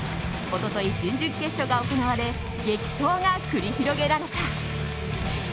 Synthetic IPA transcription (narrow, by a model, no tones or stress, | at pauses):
o̞t̪o̞t̪o̞id͡ʑɨ̃ɲd͡ʑɨkːe̞ɕo̞ɡaoko̞naβ̞aɾe̞ | ɡe̞kʲi̥h̪o̞ːŋakɯɾʲiçiɾo̞ɡe̞ɾaɾe̞t̪a